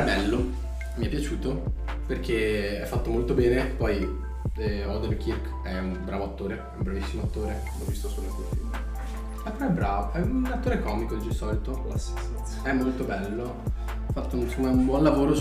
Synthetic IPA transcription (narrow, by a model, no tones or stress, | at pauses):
ɛbɛlːo | miɛpːjat͡ʃuːt̪o | perk̟eɛfːat̪ːomolt̪obɛːnepːɔj | ɛɔd̪elk̟ʰirk | ɛumbɾaːvoat̪ːoːɾeɛũmbɾavisːimoat̪ːoːɾe | lɔvːist̪osunest̪elfḭlm | mapːeɾɔɛbːɾaːvoɛunat̪ːoːɾekɔːmikod̪id͡ʒisɔːlit̪okla̰sːi̥s | ɛmːolt̪obɛlːo | afːat̪ːounsomːaumbwɔnlavoːɾo